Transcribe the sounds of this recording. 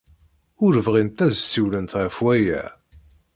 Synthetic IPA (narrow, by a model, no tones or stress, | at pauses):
ʊɾvʁint̪æzsːiwlənt̪ʁəfwæjæ̰